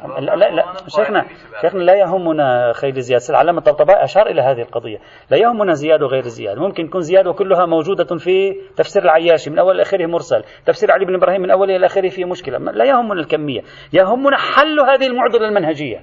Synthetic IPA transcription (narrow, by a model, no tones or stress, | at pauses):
lalaʃeːxna | ʃeːxnalajaɦʊmːʊnaxajlɪzɪjaːd̪asɪlʕa̰laːmat̪ˤːɑbt̪ˤɑbɑːʔʔaʃɑːɾˤʔɪlaɦaːðɪhɪlqɑd̪ˤɨ̰jːa | lajahʊmːʊnazɪjaːd̪awɣejɾɪzːɪ̰ja̰ːd̪amʊmkɪnt̪akuːnzɪjaːd̪awkʊlːʊɦamawd͡ʒuːd̪afit̪afsiːɾɪlʕajːaːʃimɪnʔawːalɪlʔaːxiɾɪhmʊɾsal | t̪ːafsiːɾʕaliːbɪnʔɪbɾɑːhiːmːɪnʔawːallʔaːxɪɾɪhfijːmʊʃkɪla̰m̰lajahʊmːʊnalkamːɪjːa̰ | jaɦʊmːʊnaħalːhaːðɪhɪlmʊʕd̪ɪlalmanhad͡ʒɪjːa̰